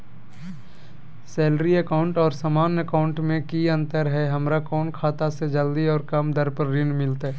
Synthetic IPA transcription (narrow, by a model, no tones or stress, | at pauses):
sɛːlɾiəkaːʊ̃ɳʈɔːɾsaːmaːnəkaːʊ̃ɳʈmẽkiə̃nt̪əɾɦɛɦɐmɾakɔːnkʰaːt̪ased͡ʒəld̪iɔːɾkɐmd̪əɾpəɾːɪnmɪlt̪aɦɛ